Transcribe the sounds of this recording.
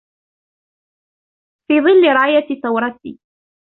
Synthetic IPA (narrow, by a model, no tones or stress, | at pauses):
fiːðˤɨlːɪɾˤɑːjat̪iθawɾˤɑt̪ḭː